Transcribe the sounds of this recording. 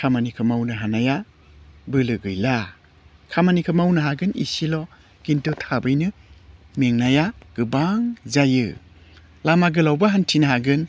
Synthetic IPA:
kʰamanikʰɯmawnɯɦanaja | bɯlɯɡɯjla | kʰamanikʰɯmawnaɦaɡɯnḭsilɔ | ɡ̥intutʰabɯjnɯmeŋnajaɡ̥ɯbaŋzajɯ̰ | lamaɡɯlawbaɦantʰinaɦaɡɯn

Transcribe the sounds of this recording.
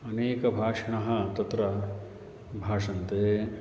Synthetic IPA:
ɐneːkɐbʱaːʂɐɳɐɦɐ̆t̪ɐt̪ɾɐ | bʱaːʂɐnt̪eː

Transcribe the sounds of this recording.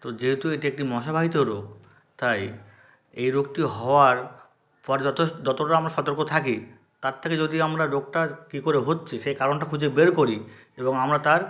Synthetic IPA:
t̪od͡ʑeɦet̪ueʈiek̚ʈimɔʃabʱaɦit̪oɾok̚ | t̪aj | ejɾoɡ̚ʈiɦɔoaɾ | pɔɾed͡ʑɔt̪od͡ʑɔt̪oʈaamɾaʃɔt̪oɾkot̪ʰaki | t̪aɾt̪ʰːeked͡ʑod̪iamɾaɾok̚ʈakikoɾeɦotːɕʰiʃejkaɾonʈakʰud͡ʑʱebeɾkoɾi | eboŋamɾat̪aɾ

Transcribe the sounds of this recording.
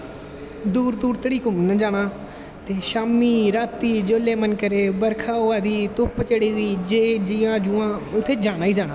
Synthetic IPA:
d̪uːɾd̪uːɾt̪əɽiːkʊmnəd͡ʒaːɽaː | t̪eːʃaːmiːɾaːt̪iːd͡ʒoːleːmənkəɾeːbəɾkʰaːoːaːd̪iːt̪ʊpt͡ʃəɽiːiːd͡ʒeːd͡ʒɪjãːd͡ʒʊãːʊt̪ʰːeːd͡ʒaːɽ̃aːiːd͡ʒaːɽ̃aː

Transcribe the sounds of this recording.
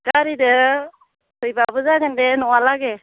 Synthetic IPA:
ɡaɾidə | sɯjbabɯzaɡɛndɛnɔalaɡɛ

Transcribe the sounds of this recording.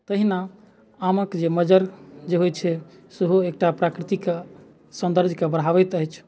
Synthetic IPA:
t̪əɦina | aməkd͡ʒeməd͡ʒəɾd͡ʒeɦojt͡ʃʰɛseɦoek̚ʈapɾakɾit̪ike | sə̃nd̪əɾd͡ʒʱkebəɽ̤ɦaβɛt̪əɦɛt͡ʃʰ

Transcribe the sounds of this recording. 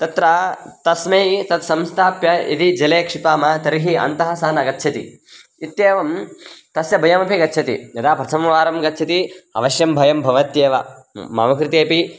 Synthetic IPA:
t̪ɐt̪ɾɐt̪ɐsmɐit̪ɐt̪sɐmst̪ʰaːpjɐḭd̪id͡ʒɐleːkʂipaːmɐt̪ɐɾiɦiɐ̰nt̪ɐɦɐ̆saːnɐɡɐt̪ːʃʰɐt̪ḭ | it̪jeːʋɐmt̪ɐsjɐbʱɐjɐmɐpiɡɐtːt͡ʃʰɐt̪ḭjɐd̪aːpɐt͡ʃʰɐmʋaːɾɐmɡɐtːt͡ʃʰɐt̪iɐ̰ʋɐʃjɐmbʱɐjɐmbʱɐʋɐt̪jeːʋɐ̰ | ma̰ːmɐkɾɪt̪eːpi

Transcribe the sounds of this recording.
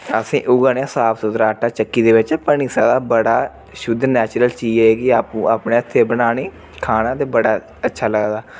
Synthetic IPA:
əsḭ̃ːʔʊɡaːneãːsaːpsʊd̪ɾaːʈaːt͡ʃəkːiːd̪eːʋɪt͡ʃpəniːsaːd̪aːbəɽaː | ʃʊd̪nɛːt͡ʃɾəlt͡ʃiːeːkɪaːpũːaːpneːət̪ʰːeːbənaːniː | kʰaːnãːt̪eːbəɽaː | ətːʃʰaːləɡd̪aː

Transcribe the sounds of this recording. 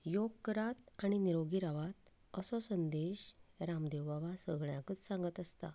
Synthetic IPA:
joɡkːɾat̪aɽ̃iniɾoɡiɾaʋat̪ | əsɔsənd̪eɕɾamd̪ewʋaʋasəɡɭjakət͡ssãŋɡət̪əst̪a

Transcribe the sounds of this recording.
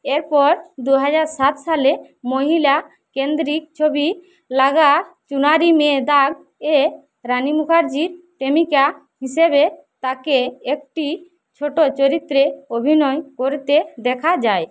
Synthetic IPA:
eɾpɔɾd̪uɦad͡ʒaɾsat̪sale | moɦila | kend̪ɾik̚t͡ʃʰobi | laɡat͡ʃunaɾimɛ̃d̪aɡ̚ | ɛ | ɾanimukʰaɾd͡ʒiɾʈemika | ɦisɛbe | t̪akeːk̚ʈi | t͡ʃʰoʈot͡ʃoɾit̪ɾeobʱinɔjkoɾt̪ed̪ɛkʰad͡ʒaj

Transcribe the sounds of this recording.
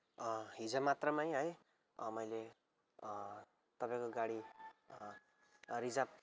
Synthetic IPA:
ʌɦid͡zʌmat̪rʌmajɦʌj | mʌjle | t̪ʌpãj̃koɡaɽi | ɾid͡zab̚

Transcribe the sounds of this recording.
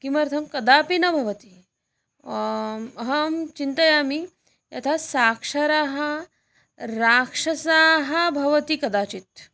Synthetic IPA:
kimɐɾt̪ʰɐmkɐd̪aːpinɐbʱɐʋɐt̪i | ɐɦɐmt͡ʃint̪ɐjaːmi | jɐ̰t̪ʰasaːkʂɐɾaːɦɐ | ɾaːkʂɐsaːɦɐbʱɐʋɐt̪ikɐd̪aːt͡ʃit̪

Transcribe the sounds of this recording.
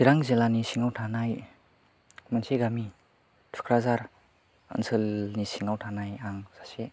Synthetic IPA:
siɾaŋzilanisiŋawtʰanaj | manseɡami | tʰu̥kʰɾazaɾ | ə̰nsʰɯlnisiŋawtʰanajaŋz̥ase

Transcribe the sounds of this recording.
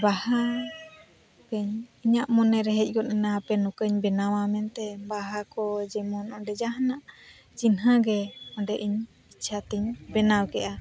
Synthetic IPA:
baha | kəɲiɲaʔmɔnɛɾɛɦɛc̚ˀɡɔt̪̚ɛnaapɛnukəɲbɛnawamɛnt̪ɛbaɦakɔd͡ʒɛmɔnɔ̃ɖɛd͡ʒaɦanaʔ | d͡ʒinɦãɡɛɔɖɛʔiɲ | it͡ʃʰat̪iɲbɛnawkɛʔa

